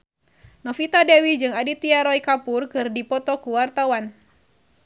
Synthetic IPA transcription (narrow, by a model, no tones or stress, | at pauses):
nɔfit̪adɛwid͡ʒɨŋadit̪iaɾɔikapurkɨrdipɔt̪ɔkuwart̪awan